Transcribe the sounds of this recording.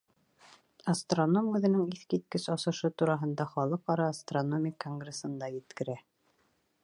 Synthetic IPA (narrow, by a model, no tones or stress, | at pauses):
ɐst̪ronomʉðɘ̆nɘŋiθkit̪̚kɘsɑsɤ̆ʃɤt̪uɾɑɦɤ̆nd̪ɑχɒlˠɤqɑɾɑːst̪ronomʲɪkoŋɡresɤ̆nd̪ɑjɘ̆t̪kɘ̆ɾæ